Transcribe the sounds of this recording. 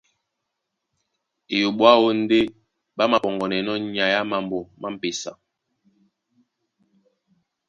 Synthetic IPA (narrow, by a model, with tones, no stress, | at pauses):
e˨jo˨ɓwa˦wo˦n̩˦de˦ | ɓa˦ma˨pɔ˨ŋɡɔ˨nɛ˨nɔ˦ɲa˨ja˦ma˨mbo˨ma˦m̩˦˨pe˨sa̰˨